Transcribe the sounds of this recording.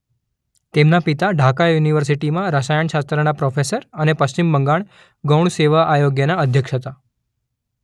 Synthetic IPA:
t̪emnapit̪aɖʱakajuniʋəɾsiʈimãɾəʃajəɳʃast̪ɾənapɾofʰesəɾənepəst͡ɕimbəŋɡaɳ̃ | ɡəwɳseʋaʔajoɡjənaəd̪ʱjəkʃɦət̪a

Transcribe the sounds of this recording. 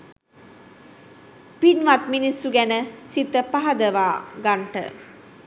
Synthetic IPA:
pinʋat̪minisːuɡænəsit̪əpaɦɐd̪əʋaːɡaɳʈə̰

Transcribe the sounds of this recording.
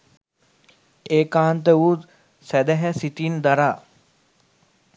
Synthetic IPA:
eːkaːnt̪əut̪ | sæd̪æɦɛsit̪ind̪aɾaː

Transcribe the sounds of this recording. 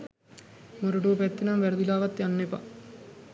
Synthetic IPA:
moɾoʈoːpɛt̪ːinamʋæɾɐd̪ilaːʋat̪janːepa̰

